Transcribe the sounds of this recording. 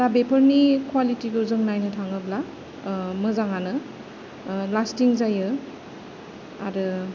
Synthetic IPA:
dabepʰəɾnikwalitiɡɯzɯŋnajnɯtʰaŋɯbla | mɯzaŋanɯ | lastiŋzajɯ | a̰ɾɯ

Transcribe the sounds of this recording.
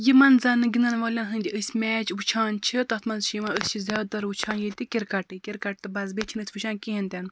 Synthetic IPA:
jimɐnzɐnɨɡinɐnʋoːlʲɐnɦɨnʲd̪ʲiʔɨsʲmʲɛːt͡ʃʋut͡ʃʰaːnt͡ʃʰit̪ɐt̪ʰmɐnzʃimaɨsʲt͡ʃʰizʲaːd̪̚t̪ɐɾut͡ʃʰaːnjit̪ikʲiɾkɐʈɨkʲiɾkɐʈ̚t̪ɨbɐzbet͡ʃʰinɨsʲʋɨʃaːnkiɦint̪ʲɐn

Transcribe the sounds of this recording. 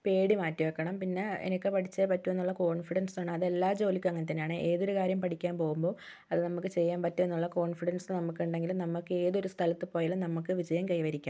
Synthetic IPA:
pe̞ːɽimaːtːiʋɐkːɐɳɐmpinːe̞ḛnɐkʲːɨpɐʈʰit͡ɕːɐpɐtːuʋenːuɭːɐko̞ːɳfiɽɐnsoɳːɖɨɐðe̞lːaːd͡ʑo̞ːlikʲːɐŋːɐnet̪̬ːɐnːejaːɳɨʔe̞ːðo̞ɾukaːɾjɐmpɐʈikʲːaːmpo̞ːɣumbo̞ː | ɐðɨnɐmːukːɨt͡ɕe̞jːaːmpɐtːuenːuɭːɐko̞ːɳfiɽɐnsnɨnɐmːukːuɳɖe̞ŋɡilumnɐmːukːɨe̞ːðo̞ɾust̪ʰɐlɐt̪ːɨpoːjaːlmnɐmːuk̬ːɨʋid͡ʑɐjɐmkɐjʋɐɾikʲːaːm

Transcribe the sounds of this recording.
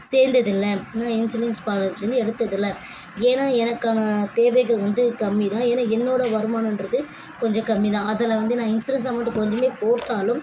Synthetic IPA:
seːɾnd̪ɐðɪlːɐnãːɪnsɪlɛnspaːɾɐðɯt͡ʃːeːnd̪ɯɛɽɯt̪ːɐðɪlːɐ | eːnaːɛnɐkːaːnɐt̪eːʋɐɪɣɯlʋɐnd̪ɯkɐmːiðãːeːnaɛnːoːɽɐʋɐɾɯmaːnndɾɐðɯ | kɔɲd͡ʒɔ̃kɐmːiðãːɐðɐlɐʋɐnd̪ɯnãːɪnsɪɾɐns̬aːmːʈːɯkɔɲd͡ʒɐmeːpoːʈːaːlɯm

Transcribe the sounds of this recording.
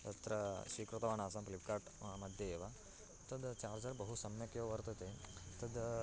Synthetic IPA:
t̪ɐt̪ɾɐʃikɾut̪ɐʋaːnaːsɐ̃mplip̚kaːɾʈmɐd̪ʱjɐeʋa | t̪ɐd̪t͡ʃaːɾd͡ʒaɾbɐɦusɐmjɐkjoʋɐɾt̪ɐt̪et̪ɐd̪

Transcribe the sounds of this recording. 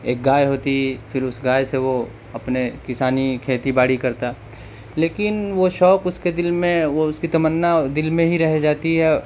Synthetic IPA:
ḛːk̚ɡaːjɦoːt̪ifɪɾʊsɡaːjseʋo | ɐpnekɪsaːnikʰeːt̪ibaːɽikɐɾt̪a | leːkɪnʋoʃɔːkʊsked̪ɪlmẽoʊskit̪ɐmənːad̪ɪlmẽɦiɾɛɦd͡ʒaːt̪iɦɛː

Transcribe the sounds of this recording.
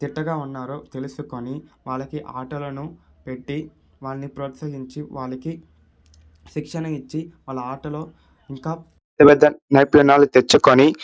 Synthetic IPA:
t̪iʈːɐɡaːunːaːɾoːt̪e̞lusuko̞niʋaːɭːɐkiʔaːʈɐlɐnupe̞ʈːi | ʋaːɭnipɾoːt̪sɐɦiɲt͡ʃiʋaːɭɐki | ʃikʂɐnɐit͡ʃːiʋaːɭːɐaːʈɐlo̞ː | iŋkaː | t̪ɐbɛd̪ʱːɐnɐjplɐnaːlut̪et͡ʃːukoni

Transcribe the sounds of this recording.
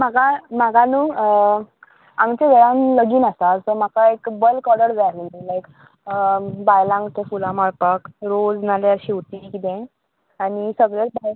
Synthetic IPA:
m̤aɡam̤aɡanuː | amt͡ɕẽʋeɭãnləɡiːnasasəm̤akaekbəlkɔɽəɾʋeaɦilajk | bajlãŋɡt̪ʰẽfulãmaɭpəkɾod͡znaljaɾɕiut̪ikit̪ɛ̃ | anisəɡɭeɾbaj

